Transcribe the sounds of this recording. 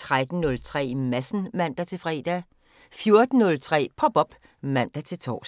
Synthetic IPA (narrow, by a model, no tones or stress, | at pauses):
t͡sʰʁad̥n̩nɔ̽lt͡sʰʁɛ̰ːmæsn̩mæn̰d̥æt͡sʰe̝fʁɛ̰ːd̥æ | fjo̝ɐd̥n̩ːɔ̽lt͡sʰʁɛ̰ːpʰɒ̽b̥ɒ̽b̥ | mæn̰d̥æt͡sʰe̝lt͡sʰɒ̰ːs